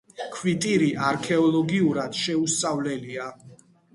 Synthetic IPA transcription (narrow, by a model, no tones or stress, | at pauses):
kʰwit̪ʼiɾiʔaɾkʰɛɔlˠɔɡiuɾad̪̥ʃɛust̪sʼavlɛlia